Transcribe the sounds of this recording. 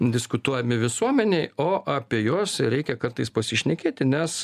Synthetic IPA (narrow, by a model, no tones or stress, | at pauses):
d̪ʲɪskʊt̪uɔjɛmʲɪʋʲɪsuɔmʲɛnʲɛɪoːʔɐpʲiɛjoːsɾʲɛɪkʲɛkɐrt̪ɐɪspɐsʲɪʃʲnʲɛkʲeːt̪ʲɪnʲɛs